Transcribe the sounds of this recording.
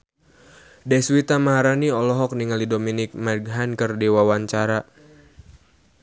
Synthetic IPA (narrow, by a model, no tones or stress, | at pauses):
dɛswit̪amaɦaɾaniɔlɔɦɔk̚niŋalidominɪk̚maɡɦankərdiwawaɲt͡ʃaɾa